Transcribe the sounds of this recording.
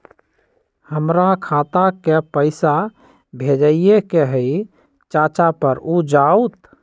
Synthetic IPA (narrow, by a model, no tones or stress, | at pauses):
həmɾakʰat̪akepəɪsa | bʱed͡ʒəiekeɦəj | t͡ʃat͡ʃapəɾud͡ʒaut̪